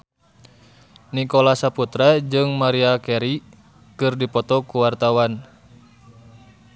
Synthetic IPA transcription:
nikolasaput̪ɾad͡ʒɨŋmaɾiakɛɾi | kɨrdipɔt̪ɔkuwart̪awan

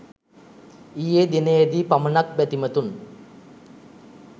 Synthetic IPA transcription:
ijed̪enejed̪ipamənak̚bæt̪imət̪un

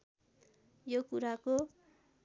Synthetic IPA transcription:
jokuɾako

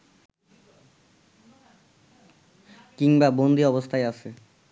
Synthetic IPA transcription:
kiŋbabond̪ʱiɔbost̪ʰajaʃʰe

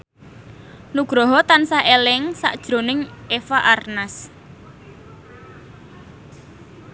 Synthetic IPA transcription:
nuɡ̥ɾɔɦɔt̪ansaelɪŋsa̰ʔd̥ʒ̥ɾo̤nɪŋefaʔarnas

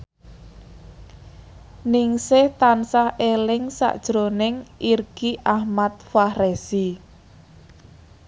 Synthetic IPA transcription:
nɪŋsɪht̪ansahʔelɪŋsa̰ʔd̥ʒ̥ɾonɪŋʔirɡ̥iʔahmat̪̚fahrɛsi

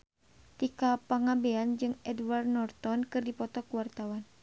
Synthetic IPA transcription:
t̪ikapaŋabɛand͡ʒɨŋɛdwardnɔrt̪ɔnkɨrdipɔt̪ɔkuwart̪awan

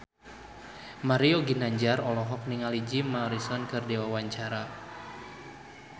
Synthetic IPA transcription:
maɾioɡinaɲd͡ʒarɔlɔɦɔk̚niŋalid͡ʒimaɾisɔnkɨrdewawaɲt͡ʃaɾa

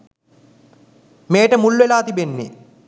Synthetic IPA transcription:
meːʈəmulːuʋelaːt̪ibenːḛ

